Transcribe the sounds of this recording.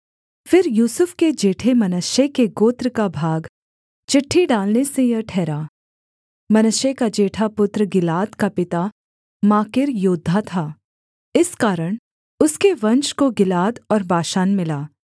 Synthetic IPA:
fɪɾjuːsʊfked͡ʒeːʈʰemɐnʊʃjekeɡoːt̪ɾəkabʱaːɡ | t͡ʃɪʈʰːiɖaːlnesejɐʈʰɛːɾaː | mɐnʊʃjekad͡ʒeːʈʰapʊt̪ɾəɡɪlaːd̪kapɪt̪a | maːkɪɾjʊːd̪ʱːat̪ʰaː | ɪskaːɾəɽ̃ | ʊskeʋɐ̃nt͡ʃkoɡɪlaːd̪ɔːɾbaːʃaːnmɪlaː

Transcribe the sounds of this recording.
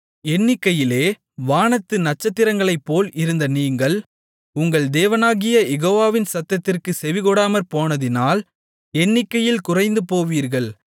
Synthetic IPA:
ɛnːɪkːɐjɪleː | ʋaːnɐt̪ːɯnɐt͡ʃːɐt̪ːɪɾɐŋɡɐɭɐɪpːoːlɪɾɯnd̪ɐniːŋɡɐɭ | ʊŋɡɐɭd̪eːʋɐnaːɣɪjɐjɛɣoːʋaːʋɪnsɐt̪ːɐt̪ːɪrkɯsɛʋɪɣɔɽaːmɐɾpoːnɐðɪnaːl | ɛnːɪkːɐjɪlkʊrɐɪnd̪ɯpoːʋiːɾɣɐɭ

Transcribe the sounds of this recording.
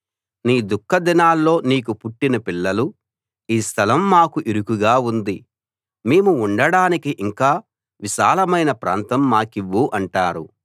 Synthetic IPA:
niːd̪ukʰːɐd̪inaːlːo̞ːniːkupuʈːinɐpilːɐlu | iːst̪ʰɐlɐmːaːkuʔiɾukuɡaːund̪i | meːmuːɳɖɐɽaːnikiʔiŋkaː | ʋiʃaːlɐmɐjnɐpɾa̰ːnt̪ɐmːaːkiʋːuːʔɐɳʈaːɾu

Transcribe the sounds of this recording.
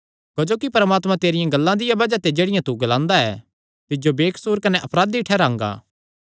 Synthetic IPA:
kɐd͡ʒoːkipɐɾmaːt̪mãt̪eːɾɪjãɡɐlːãd̪ɪjãbɐd͡ʒat̪ed͡ʒeːɽɪjãt̪uɡɐlãːnd̪aɛː | t̪ɪd͡ʒobeːkʰsuːɾkɐnɛʔɐpɾaːd̪iʈʰɛɾãːŋɡa̰ː

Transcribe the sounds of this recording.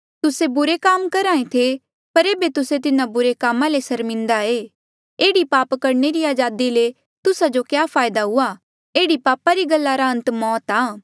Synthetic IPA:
t̪ʊsebʊɾekaːmkɐɾaːẽt̪ʰe | pɐɾeːbet̪ʊset̪ɪnãbʊɾekaːmãlesɐɾmɪ̃nd̪aeː | eːɽipaːpkɐɾneɾiaːd͡ʒaːd̪ile | t̪ʊsad͡ʒokjaːpʰaːjd̪aɦʊa | eːɽipaːpaɾiɡɐlːaɾaɦɐ̃nt̪mɔːt̪aː

